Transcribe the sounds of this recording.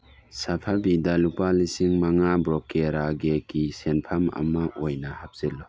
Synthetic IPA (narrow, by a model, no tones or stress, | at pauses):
sapʰabidalupalisiŋmaŋabɾɔkeɾaɡekisenpʰamɐ̰maʔojnɐhap̚z̥elɔ